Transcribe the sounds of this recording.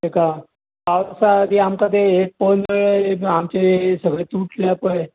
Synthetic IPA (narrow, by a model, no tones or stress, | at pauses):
tika | baʋɾəsad̪iamkat̪eek̚pəneɭeamt͡ɕesəɡɭet̪uʈljapə